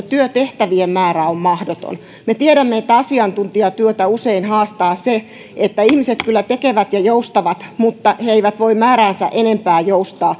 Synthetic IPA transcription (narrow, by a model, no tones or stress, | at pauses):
t̪yøt̪eht̪æʋiemmæːɾæommɑhdot̪o̰n | met̪ieɾæmːeet̪ːæɑsiɑnt̪unt̪iɑt̪yøt̪æuseinhɑːst̪ɑːse | et̪ːæihmiset̪kylːæt̪ekeʋæt̪jɑjoust̪ɑʋɑt̪mut̪ːɑheeiʋæt̪ʋoimmæːɾæːnsæ̰ʔenempæːjoust̪ɑː